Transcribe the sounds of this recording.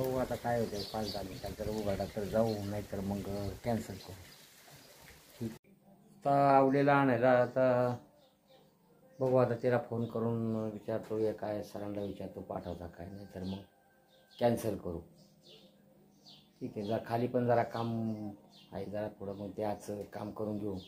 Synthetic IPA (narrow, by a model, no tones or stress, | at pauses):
bəɡat̪akajɦot̪efald͡zalit̪aɾt̪əɾuɡʱaʈat̪əɾd͡zaunajt̪əɾməɡkɛnsəlkəɾu | ʈʰiːk | t̪aaʋlelaːɽ̃ajlaːt̪a | bəɡoat̪at̪elafonkəɾuːnʋit͡ɕaɾt̪ojekajsəɾãnlaʋit͡ɕaɾt̪opa̰ʈʰəʋt̪akajnajt̪əɾməɡ | kɛnsəlkəɾu | ʈʰiːkɛd͡zakʰaliːpəɳd͡zaɾakam | a̰id͡zaɾap̪ʰoɽ̤əməɡ̚t̪eat͡səkamkəɾuːnɡʱeũ